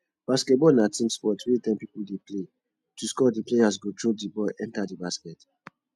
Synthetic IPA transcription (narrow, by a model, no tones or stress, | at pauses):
b̥askɛt̚bɔlnatĩmspɔtɹitɛ̃mpipuldeple | tuskɔdiplejas̬ɡotɹop̚dibɔlʔɛ̃ntadibaskɛt